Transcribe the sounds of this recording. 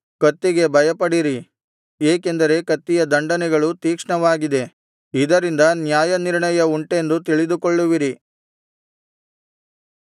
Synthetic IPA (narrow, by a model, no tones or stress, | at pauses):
kɐt̪ːiɡe̞bʱɐjɐpɐɽiɾi | eːke̞nd̪ɐɾe̞kɐt̪ːijɐd̪ɐɳɖɐnɛɡɐɭut̪iːkʂɳɐʋaːɡid̪e̞ | id̪ɐɾind̪ɐnjaːjɐniɾɳɐjɐuɳʈe̞nd̪ut̪̬iɭid̪ukoɭːuʋiɾi